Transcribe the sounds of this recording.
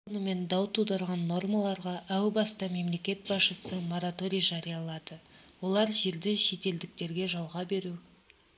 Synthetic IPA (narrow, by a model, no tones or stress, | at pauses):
onəme̞nd̪ɑwt̪ʰud̪ɑɾʁɑnːo̞rmalˠɑɾʁɑʔæwbɑst̪ɑme̞mle̞kʲe̞t̪̚bɑsʃəsəmo̞ɾat̪o̞ɾʲijʒɑɾijɑlˠɑd̪əwo̞lˠɑɾʒe̞ɾd̪ɪʃe̞t̪e̞ld̪ɪkt̪e̞ɾɡʲe̞ʒɑlˠʁɑbe̞ɾu